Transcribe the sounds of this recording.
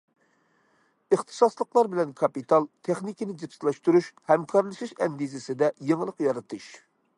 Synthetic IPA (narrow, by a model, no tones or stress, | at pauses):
əχt̪ʰɨ̥sɑslˠəqlˠɑɾbɪlɛnkʰɑpit̪ʰɑlˠt̪ʰeχnikʲinɪd͡ʒepslˠɑʃt̪uɾuʃhɛmkʰɑɾlˠɨʃiʃɛnɡ̪izɪsɪd̪ɛjeŋlˠəqjɑɾɨt̪ʰɨʃ